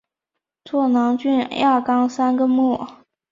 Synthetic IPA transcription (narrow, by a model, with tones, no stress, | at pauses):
t͡sʰwɔ˥˩nɑ˧˥ŋt͡ɕy˥˧nja˥˩kɑ˥ŋsa˥nɡə˨mu˥˩